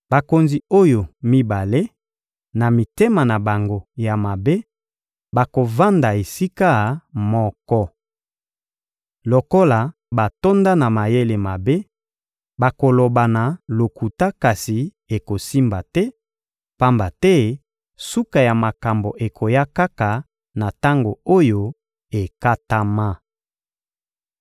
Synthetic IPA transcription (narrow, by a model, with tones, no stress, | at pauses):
ba˨ko˨nzi˨o˦jo˨mi˦ba˨le˦ | na˨mi˨te˦ma˨na˨ba˨ŋɡo˦ja˨ma˨be˦ | ba˨ko˨va˦nda˨e˨si˦ka˦˨mɔ˦kɔ˦ | lo˨ko˦la˨ | ba˨to˦nda˦na˨ma˨je˦le˨ma˨be˦ | ba˨ko˨lo˨ba˨na˨lo˨ku˨ta˦ka˨si˨ | e˨ko˨si˦mba˨tɛ˦ | pa˦mba˨tɛ˦ | su˦ka˨ja˨ma˨ka˨mbo˨ʔe˨kʰo˨ja˦ka˦ka˨ | na˨ta˦ŋɡo˨o˦jo˦ | e˨ka˦ta˦ma˦